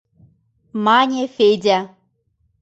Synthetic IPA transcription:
maɲʲefedʲa

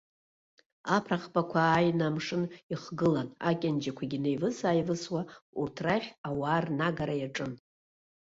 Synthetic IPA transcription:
apʰraχbakʷʰaːjnamʂɨniχɡɨlana̰kʲʼand͡ʒakʷʰaɡʲine̞jvɨsaːjvɨswaurtʰraχʲawaːrnaɡaɾajaʈ͡ʂʼɨn

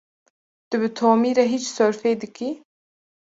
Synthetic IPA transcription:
t̪ɨbɨt̪ʰoːmiːɾɛɦiːt͡ʃsɔɾfeːd̪ɨkiː

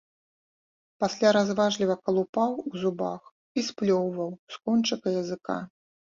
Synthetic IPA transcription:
pasʲlʲaɾazvaʐlʲivɐkɐlˠupawuzubax | isplʲɔwvɐwskɔnt͡ʂɐkɐjɐzɨka̰

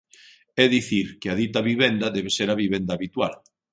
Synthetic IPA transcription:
ɛðiθiɾkeaðit̪aβiβend̪ɐðɛβeseɾaβiβend̪aːβit̪wal

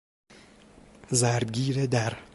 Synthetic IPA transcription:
zæɾd̪ɡiːɾed̪æɾ

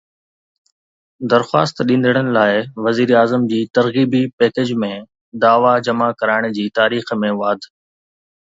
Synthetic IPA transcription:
d̪ɐɾxa̰ːst̪ɗĩːn̆d̪ʱəɽ̃ənɪ̆laːɪʋɐziːɾaːzəmd͡ʑiːt̪ɐɾɣiːbipɛːked͡ʑmẽ | d̪aːʋad͡ʑɐmakɐɾaːɪɽ̃d͡ʑiːt̪aːɾiːxmẽʋaːd̪ʱ

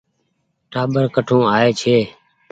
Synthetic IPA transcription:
ʈaːɓəɾkəʈʰõːaːeːt͡ʃʰeː

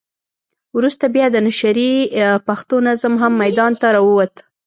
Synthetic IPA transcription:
wɾust̪abjɑd̪ənaʃaɾipaxt̪onazamɦamːajd̪ɑnt̪aɾɑwəwat̪

